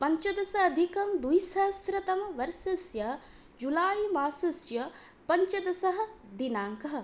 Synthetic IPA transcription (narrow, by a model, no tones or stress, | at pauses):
pɐɲt͡ʃɐd̪ɐsɐːd̪ʱikɐmd̪ujsaːst̪ɾɐt̪ɐmɐʋɐɾsɐsjɐ | d͡ʒulaːjimaːsɐsjɐ | pɐɲt͡ʃɐd̪ɐsɐɦɐ̆d̪inaːŋkɐɦɐ̆